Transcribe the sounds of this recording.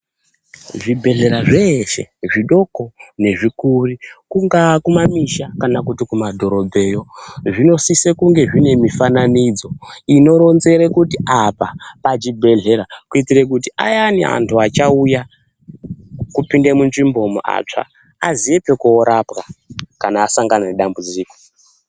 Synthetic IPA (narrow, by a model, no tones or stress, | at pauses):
ʐibʱe̞ɮe̞ɾaʐeʃe̞̰ʐiɗo̞kone̞ʐikurikuŋɡakumamiʃakanakutikumadʱo̞ɾo̞bʱe̞ːjo̞ʐino̞sisekuŋɡe̞ʐine̞mifananid͡zo̞ino̞ɾo̞nze̞ɾekutiʔapapat͡ʃibʱe̞ɮe̞ɾakuitirek̬utia̰janḭa̰ntʰuat͡ʃauja | kupindemunʐimbo̞muʔa̰t͡ʂa̰ | aziepekuoɾapkakanaːsaŋɡananeɗambud͡ziːko